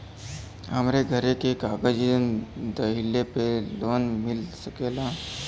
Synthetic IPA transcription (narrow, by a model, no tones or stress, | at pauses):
əmɾeɡʱəɾekekaːɡəd͡ʒind̪əɦilːepeloːnmɪlsəkeːla